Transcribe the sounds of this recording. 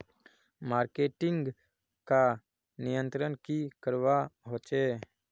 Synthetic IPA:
maːɾkeːʈɪ̃ŋɡ | ka | nɪjə̃nt̪ɾənkikəɾʋaɦoːt͡ʃeː

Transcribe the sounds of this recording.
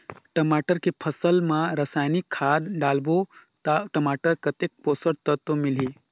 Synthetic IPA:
ʈɐmaːʈəɾkepʰəsəlmãɾəsaːjnikʰːaːd̪ɖaːlbot̪aʈəmaːʈəɾkət̪ek̚poːsəɾt̪ət̪omɪliː

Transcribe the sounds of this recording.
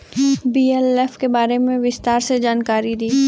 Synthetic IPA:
biːɛlɛfkebaːɾemẽʋɪst̪aːɾsed͡ʒaːnkaːɾid̪iː

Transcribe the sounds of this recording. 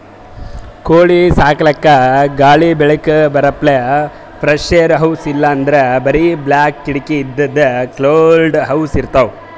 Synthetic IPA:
koːɭisaːkɐlɐkːɐɡaːɭibɛɭɐkɐbɐɾɐpːle | pʰɾɐʂejɐɾɦɐwsilːɐːnd̪ɐɾebɐɾiblaːkːiɽikiːd̪ːɐd̪ːɐkloːlɖɦɐwsiɾt̪ɐʋ

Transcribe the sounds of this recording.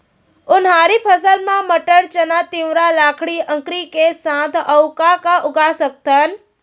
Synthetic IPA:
ʊnɦaːɾipʰəsəlmãməʈəɾt͡ʃənat̪ɪwɾalaːkʰɽiʔə̃ŋkɾikesãːt̪əʊkakaʔʊɡasək̚t̪ən

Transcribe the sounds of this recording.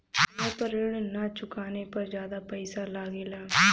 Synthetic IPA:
epɐɾɪɭnat͡ʃʊkaːnepɐɾd͡ʒjaːd̪apɐɪsalaːɡɪla

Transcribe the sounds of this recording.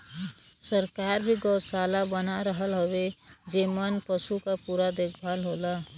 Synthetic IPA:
səɾkaɾbʱiɡəwsalabənaɾəɦəlɦowed͡ʒemənpəsukapuɾad̪ekʰbʱalɦola

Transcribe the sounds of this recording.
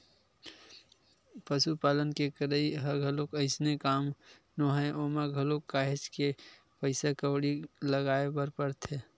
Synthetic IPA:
pəsupaːlənkekəɾəiɦəɡʱəlokəɪsnekaːm | noɦãʔoːmaɡʱəlokːaːɦɪt͡ʃke | pəɪsakəwɽiləɡaːebəɾpəɾt̪ʰeː

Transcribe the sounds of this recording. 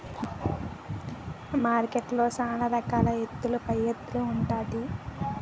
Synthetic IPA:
maːɾkeʈlo̞ːsaːnɐɾɐkaːlɐɦet̪ːulupɐjːet̪ːluːɳʈaːd̪i

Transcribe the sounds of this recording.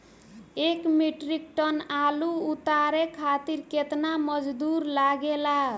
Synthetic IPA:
ekmeʈɾik̚ʈənaluut̪aɾekʰat̪iɾket̪naməd͡ʒd̪uɾlaɡela

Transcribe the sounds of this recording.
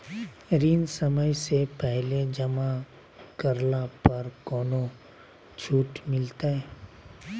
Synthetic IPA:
ɾiːnsəməjsepɛɦled͡ʒɐma | kəɾlapɐɾkɔːno | t͡ʃʰuːʈmɪlt̪aɦɛː

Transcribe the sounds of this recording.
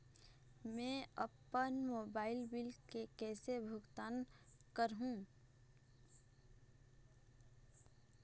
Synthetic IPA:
mɛ̃əpːənmoːbaːɪlbɪlkekɛːsebʱʊɡt̪aːnkəɾɦũ

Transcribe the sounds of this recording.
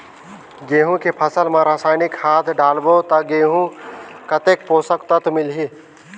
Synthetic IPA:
ɡeːɦũkepʰəsəlmẽɾaːsaːɪnɪkhaːt̪ʰɖaːlbot̪ɐɡeːɦũkət̪ek̚poːsəkt̪ət̪mɪlɦi

